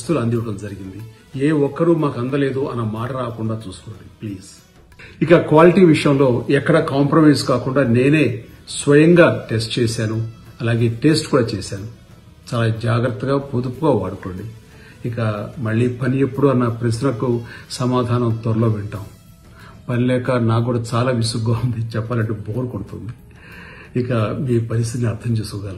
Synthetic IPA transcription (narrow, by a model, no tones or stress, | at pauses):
ɐst̪uluɐnd̪iʋɐʈɐmd͡ʒɐɾiɡind̪i | eːɔkːɐɾumaːkɐnd̪ɐle̞ːd̪uɐnɐmaːʈɐɾaːkuɳɖaːt͡ʃuːsu̥koːɳɖipliːz̥ | ikɐkʋaːliʈiːʋiʂɐjɐmlo̞ːɛkːɐɽɐkaːmpɾɐmɐjskaːkuɳɖaːne̞ːne̞ːsʋɐjɐŋɡaːʈe̞sʈ̚t͡ʃɛːsaːnuɐlaːɡe̞ːʈe̞sʈkuːɽaːt͡ʃɛːsaːnu | t͡ʃaːlaːd͡ʒaːɡɾɐt̪ːɐɡaːpod̪upːuɡaːʋaːɽuko̞ːɳɖi | ikɐmɐɭːiːpɐniepːuɽuɐnːɐpɾɐsnɐkusɐmaːd̪ʱaːnɐmt̪ɔɾɐloːʋɛɳʈaːm | pɐnilɛːkɐnaːɡuːɽaːt͡ʃaːlaːʋisuɡaːund̪it͡ʃɛpːaːlɐɳʈeːboːɾukoɽut̪und̪i | ikɐmiːpɐɾis̬t̪it̪niɐɾt̪ʰɐmt͡ʃeːskuɡ̪aːli